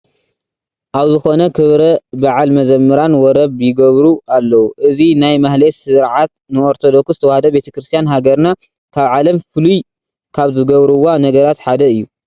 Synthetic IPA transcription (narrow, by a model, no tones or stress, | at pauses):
ʔaβzɨxo̞nɐkʰɨβɾɐbaʕalmɐzɐmːɨɾanwɔɾɐβjɪɡɐβɾualːɐwuʔɨzinajmahlesɨɾʕat̪̚nɨoɾt̪ʰod̪o̞kszɨt̪ʰɐwahɐd̪ɐbe̞t̪ʰɐkɾɨst̪ʰijanɦaɡɐɾna | kʰaβʕalɐmfɨluj | kʰaβzɨɡɐβɾɨwanɐɡɐɾat̪ħad̪ɐɨjːu